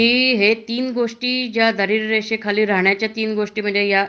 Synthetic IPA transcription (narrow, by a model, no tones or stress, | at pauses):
iːɦet̪iːnɡoʂʈiːd͡ʑjad̪ʱəɾiːɾːeɕekʰaliːɾaɳjat͡ɕjat̪iːnɡoʂʈiːm̤əd͡ʑeja